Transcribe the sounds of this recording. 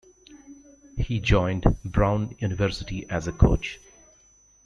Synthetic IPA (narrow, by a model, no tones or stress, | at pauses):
hid͡ʒɔ̃ɪ̃nɖbɾãʊ̃njuːnɪʋəɾsɪʈiʔæzəkʰo̰ːt͡ʃ